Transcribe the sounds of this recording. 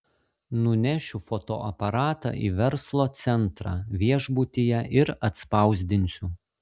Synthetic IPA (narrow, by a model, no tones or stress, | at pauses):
nʊnʲɛʃʲʊfoːt̪o̰ːʔɐpɐɾɑːt̪ɑ̰ʔḭːʋʲɛɾslˠoːt̪sʲɛnt̪ɾɑ̰ʋʲiɛʒbʊt̪ʲijɛʔɪɾɐt̪spɑˑʊzʲd̪ʲɪnʲsʲʊ